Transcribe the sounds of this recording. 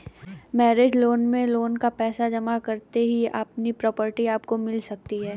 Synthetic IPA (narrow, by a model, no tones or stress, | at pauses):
mɛːɾeːd͡ʒloːnmẽloːnkapɛːsad͡ʒɐmakɐɾt̪eɦiɐ̰pnipɾɔːpəɾʈiaːpkomɪlsɐk̚t̪iɦɛː